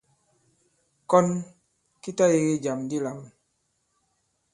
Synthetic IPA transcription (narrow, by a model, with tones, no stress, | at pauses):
kɔ˦n | ki˦ta˦je˦ɣi˦d͡ʒa˨mdi˦la˨m